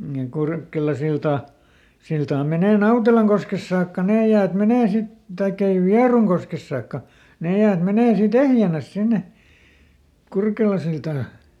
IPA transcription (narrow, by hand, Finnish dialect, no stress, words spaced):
jɑ kurkelɑsiltɑ siltɑː meneˑ nɑutelɑŋkoskes sɑːkːɑ neː jæːt meneː sit tɑikː ei ʋiɑruŋkoskes sɑːkːɑ neˑ jæːt meneː siːt ehjænæs sinːe kurkelɑsiltɑː